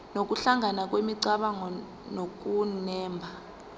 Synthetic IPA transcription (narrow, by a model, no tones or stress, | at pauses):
nok̬ʼuɬaŋʱanak̬ʼwemiǀaɓaŋɔ | nok̬ʼunɛːmbʱa